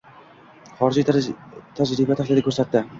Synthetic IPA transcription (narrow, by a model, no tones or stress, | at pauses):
χɒɾɪd͡ʒit̪ʰad͡ʒɾɪbat̪ʰaχlɪd̪ɪkʰɵɾsat̪ːɪ